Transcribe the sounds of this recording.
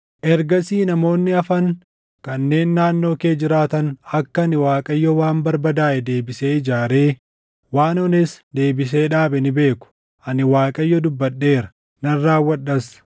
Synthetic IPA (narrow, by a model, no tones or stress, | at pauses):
ʔɛɾɡɐsiːnɐmo̞ːnːɪɐfɐŋ | kɐnːe̞ːnːaːnːo̞ːke̞ːd͡ʒɪɾaːt̪ɐnɐkːɐnɪwaːkʼɐjːɔwaːmbɐɾbɐd̪aːʔɛd̪e̞ːbɪse̞ːɪd͡ʒaːɾe̞ː | waːnɔnɪsd̪e̞ːbɪs̬e̞ːᶑaːbɛnɪbe̞ːkʊ̥ | ʔɐnɪwaːkʼɐjːɔd̪ʊbːɐɗːe̞ːɾɐ̥ | nɐrːaːwːɐᶑɐs